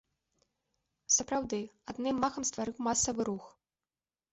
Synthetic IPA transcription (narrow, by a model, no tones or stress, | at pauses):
sɐpɾawd̪ɨad̪nɨmːaxɐmst̪vaɾɨwmasɐvɨɾux